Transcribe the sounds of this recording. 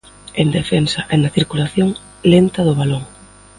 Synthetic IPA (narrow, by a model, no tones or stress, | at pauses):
eŋd̪efensɐʔɛnɐθiɾkulaθjoŋ | lent̪ɐðʊβaloŋ